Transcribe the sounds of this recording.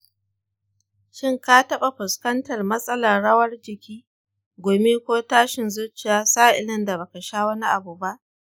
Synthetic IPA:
ʃɪ˦ŋkaː˦tɐ˦ɓa˨ɸʊ˨skɐ˦ntɐ˨rmɐ˦sʼɐ˦la˨ɽɐ˦wɐ˦rd͡ʒɪ˨kʲiː˦ | ɡʷoː˨me˦kʷoː˦taː˦ʃɪ˨nzʊ˦t͡ʃɪ˨jaː˦saː˦ʔɪ˨lɐ˦nda˨ba˨kɐ˨ʃaː˦wɐ˦ni˦ʔa˨buː˨ba˦ʔ

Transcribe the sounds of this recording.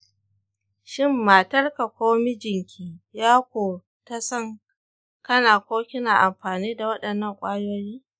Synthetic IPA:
ʃɪ˦˨mːaː˨tɐ˦rka˨kʷoː˦mi˦d͡ʒɪ˨ŋkʲʰiː˦jaː˦kʷoː˨ | ta˦sɐ˦ŋ | kɐ˦naː˨kʷoː˦kʲɪ˦naː˨ʔa˨mɸaː˨niː˦da˨wɐ˦ɗɐ˨nːɐ˦˨ŋkʷʼaː˦joː˦jiː˦

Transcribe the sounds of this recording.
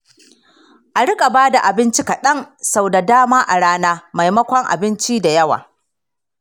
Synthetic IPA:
ʔa˨ɽɪ˦kʼa˨baː˦da˨ʔa˨bɪ˦nt͡ʃi˦kɐ˨ɗɐ˦ŋsa˦wda˨daː˦maː˦ʔa˨ɽaː˦naː˦ma˨jmɐ˦kʷɔ˦ŋʔa̰˨bɪ˦nt͡ʃi˦da˨jɐ˦wa̰ː˨

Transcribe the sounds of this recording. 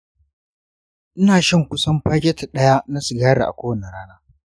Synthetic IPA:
ʔɪ˦naː˨ʃɐ˦˨ŋkʷʊ˦sɐ˦mɸaː˦kʲɛ˦ta˨ɗɐ˦ja˦na˦si˨ɡaː˦ɽa̰˨ʔa̰˨kʷoː˦wɐ˨na˨ɽaː˦naː˦

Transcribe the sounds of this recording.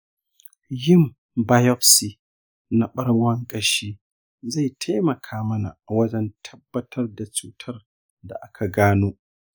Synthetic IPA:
jɪ˦˨m | ba˦jɔ˦ɸsi˨ | na˨ɓɐ˦ɽwɐ˦ŋkʼɐ˦ʃiː˦ | za˦˨jtʰa˦mɐ˨kʰaː˦mɐ˦na̰˨wɐ˦d͡ʒɛ˦ntʰɐ˦bːɐ˦tʰɐ˦rda˨t͡ʃuː˨˦tʰɐ˦r | da̰˨ʔa˦kʰa˨ɡaː˦noː˦

